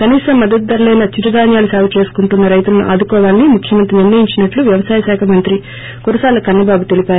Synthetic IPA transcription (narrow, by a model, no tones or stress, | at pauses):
kɐniːsɐmːɐd̪ɐt̪̚d̪ɐɾlɛjnɐt͡ʃiɾɐd̪aːnjaːlusaːʋut͡ʃe̞ːsu̥kuɳʈunːɐɾɐjt̪ulɐnṵʔa̰ːd̪ukɔːʋaːlnimukʰjɐmɐnt̪ɾiniɾnɐjiɲt͡ʃinɐʈluʋjɐʋɐsaːjɐsaːkʰɐmɐnt̪ɾi | kuɾɐsaːlɐkɐɾnːɐbaːbut̪e̞lipaːɾu